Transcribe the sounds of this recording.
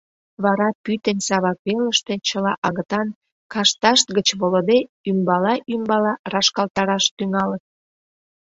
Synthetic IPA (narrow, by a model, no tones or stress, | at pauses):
βɑɾɑpyt̪ensɑβɑkβeləʃt̪e̽t͡ɕəlɑʔɑɣət̪ɑn | kɑʃt̪ɑʃt̪̚ɡət͡ɕβolod̪e | ymbɑlɑʔymbɑlɑrɑʃkɑlt̪ɑɾɑʃt̪yŋɑlət̪̚